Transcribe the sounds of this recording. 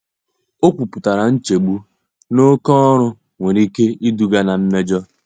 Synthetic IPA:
o˦kʷu˨pʊ˨ta˨ɾa˨n̩˦t͡ʃe˨ɡ͡bu˦ | no˦kɔ˦ɔ˦ɾʊ˦ | ŋʷe˨ɾi˦ke˦i˦du˦ɡa˦na˨m̩˦me˦d͡ʒɔ˦

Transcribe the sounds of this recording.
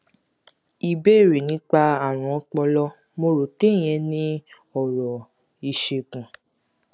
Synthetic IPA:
i˨be˦˨ɾe˨nĩ˨˦k͡pa˧a˨ɾ̃ɔ̃˨ɔ˧k͡pɔ˧lɔ˦ | mo˧ɾo˨te˦˨j̃ɛ̃˧nĩ˦ | ɔ˨ɾɔ˨ | i˨ʃe˧kũ˨

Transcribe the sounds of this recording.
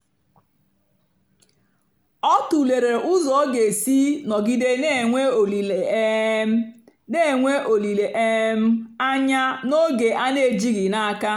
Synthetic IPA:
ɔ˦tu˨le˨ɾe˨ʔʊ˦zɔ˨o˦ɡe˨si˦nɔ˨ɡi˦de˦ne˦e˨ŋʷe˦o˨li˨le˨˦m˦ | ne˦˨ŋʷe˦ʔo˨li˨le˨ʔe˦m̩˦a˦ɲa˦no˦ɡe˨ʔa˦ne˦˨d͡ʒi˦ɣi˨na˦ka˦

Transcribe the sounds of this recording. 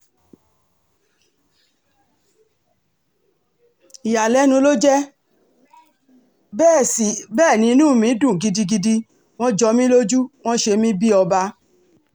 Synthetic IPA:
i˨ja˨lɛ˨˦nũ˧˦lo˦d͡ʒɛ˦ | bɛː˦˨si˨bɛː˦˨nĩ˧˦nũ˦˨mĩ˨˦dũ˦˨ɡi˧di˧ɡi˧di˧ | w̃ɔ̃˦d͡ʒɔ˧mĩ˦lo˦d͡ʒu˦w̃ɔ̃˦ʃe˧mĩ˦bi˦ɔ˧ba˧

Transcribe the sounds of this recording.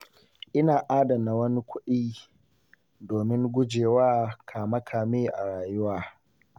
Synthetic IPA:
ʔɪ˦naː˨ʔaː˦dɐ˨mna˨wɐ˦ni˦kʷʊ˦ɗiː˦ | doː˨mɪ˦ŋɡʷʊ˦d͡ʒeː˨waː˦kʰaː˨mɐ˦kʰaː˨meː˦ʔa˨ɽaː˨jʊ˦waː˨

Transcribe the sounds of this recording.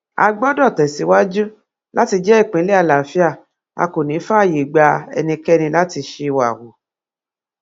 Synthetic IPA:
a̰˧ɡ͡bɔ˦dɔ˦˨tɛ˨si˨˦wa˦d͡ʒu˦ | la˦ti˧d͡ʒɛ˦i˦˨k͡pĩ˨˦le˦a˦˨la˨fi˦a˦˨ | a̰˧ko˨nĩ˨˦fa˦˨ji˨ɡ͡ba˧ɛ̰˧nĩ˧kɛ˦˧nĩ˧la˦ti˧ʃe˧wa̰˨wo˨

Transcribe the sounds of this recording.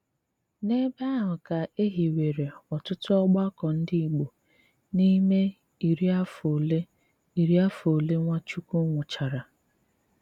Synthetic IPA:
ne˦ba˦ɦʊ˨ka˨e˦ɦi˨we˨ɾe˨ɔ˨tʊ˦tʊ˦ɔ˦ɡ͡ba˦kɔ˨n̩˦dɪ˦i˨ɡ͡bo˨ | ni˦me˦ | i˨ɾi˦a˦fo˨le˦ | i˨ɾi˦a˦fo˨le˦ŋʷa˦t͡ʃu˦ku˦ŋʷʊ˨t͡ʃa˨ɾa˨

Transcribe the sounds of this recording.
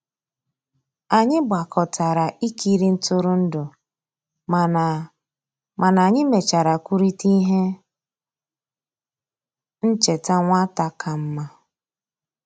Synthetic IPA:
a˨ɲɪ˦ba˨kʰɔ˨ta˨ɾa˨ʔi˦ki˦ɾi˦n̩˦tʊ˦ɾʊ˦n̩˦dʊ˨ | ma˨na˨ɲɪ˦me˨t͡ʃa˨ɾa˨kʷu˦ɾi˦ti˦ɦe˦ | n̩˦t͡ʃe˨ta˦ŋʷa˦ta˦kʰa˨m̩˦ma˦

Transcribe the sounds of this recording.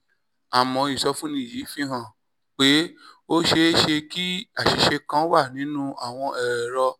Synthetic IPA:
a˨mɔ̃˨˧i˨sɔ˧fũ˦nĩ˧˦˨ji˨˦fĩ˧˦ɦã˨ | k͡pe˨˦o˦ʃe˧˦ʃe˧ki˦a˦˨ʃi˧ʃe˧kã˦wa˦˨nĩ˨˦nũ˦a˦˨w̃ɔ̃˧ʔɛ˨ɾɛ˨ɾɔ˧

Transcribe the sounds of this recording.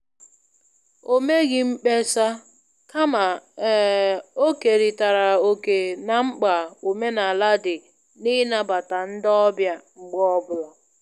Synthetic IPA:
o˦me˦ɡɪ˦ŋ͡m̩˦k͡pe˦sa˦ | ka˦ma˨ | o˦ke˨ɾi˨ta˨ɾa˨o˨ke˨na˨ŋ͡m̩˦k͡pa˨u˨me˦na˨la˦dɪ˨ | ni˦na˨ba˨ta˨n̩˦dɔ˦bja˦ŋ͡m̩˦ɡ͡bɔ˦ɔ˦bʊ˨lɔ˨

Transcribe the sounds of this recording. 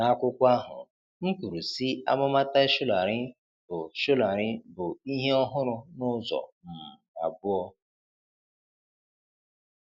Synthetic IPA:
na˨˦a˦kʷʊ˦kʷa˦ɦʊ̰˨ | ŋ̩˦ku˨ɾu˨si˦a̰˦mʊ˦ma˦ta˦e˦ʃʊ˦la˨ɾɪ˦ | bʊ˨ʃʊ˦la˨ɾɪ˦bʊ˨i˦ɦe˦ɔ˦ɦʊ˦ɾʊ˦nʊ˦zɔ̰˨m̩˨m̩˨a˨bʊ˦ɔ˦

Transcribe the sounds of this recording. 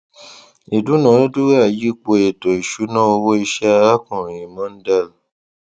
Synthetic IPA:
i˨du˨˦nã˨˦o˦du˦ɾa˦˨ji˦k͡po˧e˨to˨i˨ʃu˨˦nã˦o˧wo˦i˧ʃɛ˦a˧a˦kũ˨ɾĩ˨mɔ̃˨˦n̩˦da˦l

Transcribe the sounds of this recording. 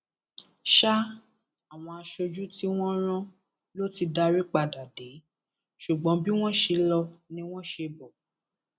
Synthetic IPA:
ʃa˦ | a˨w̃ɔ̃˧a˧ʃo˧d͡ʒu˦ti˦w̃ɔ̃˦ɾ̃ã˦ | lo˦ti˧da˧ɾi˦k͡pa˦˨da˨de˨˦ | ʃu˨ɡ͡bɔ̃˨˦bi˦w̃ɔ̃˦ʃe˧lɔ˧nĩ˧˦w̃ɔ̃˦ʃe˧bɔ˨

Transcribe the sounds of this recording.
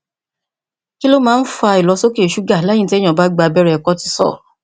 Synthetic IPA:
ki˦lo˦mãː˨˦n̩˦fa˧i˨lɔ˨˧˦so˦ki˦e˨ʃu˨˦ɡa˦˨la˨˦jĩ˦ti˦ɛ˦j̃ã˨ba˦ɡ͡ba˧˨bɛ˦ɾɛ˧ɛ˨kɔ˦ti̥˧˦sɔ̰˦˨

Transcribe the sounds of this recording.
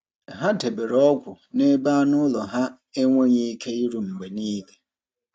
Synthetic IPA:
ɦa˦te˨be˨ɾɔ˦kʷʊ˨ | ne˦ba˦nʊ˦lɔ˨ɦa˦ | e˦ŋʷo˦ɲi˦i˦kʰe˦i˦ɾu˨ŋ͡m̩˨ɡ͡be˨niː˦le˨

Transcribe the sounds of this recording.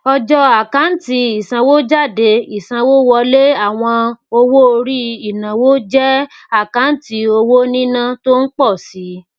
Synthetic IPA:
ɔ˧d͡ʒɔ˧a˨ka˨˦n̩˦ti˧i˨sã˧wo˦d͡ʒa˦˨de˧i˨sã˧wo˦wɔ˧le˦a˦˨w̃ɔ̃˧o˧wo˦o˧ɾi˦i˨nã˨wo˦d͡ʒɛ˦ | a˦˨ka˨˦n̩˦ti˧˦o˧wo˦nĩ˦nã˦to˦n̩˦k͡pɔ˦˨si˨˦

